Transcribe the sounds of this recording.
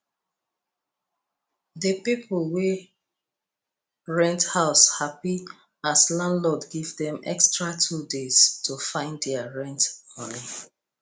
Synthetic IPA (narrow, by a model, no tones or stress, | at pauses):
dəpiplwe | ɹɛ̃nthaʊshapi | aslãndlɔdɡivdɛ̃mɛ̰kstɹatʰudez̥tufãɪ̃nddɛaɹɛ̃ntmɔni